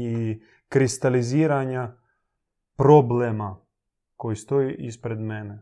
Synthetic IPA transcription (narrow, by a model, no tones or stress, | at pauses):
i | kɾist̪alizʲiːɾaɲʲa | pɾoblɛma | kojst̪ojiʔispɾɛd̪mɛnɛ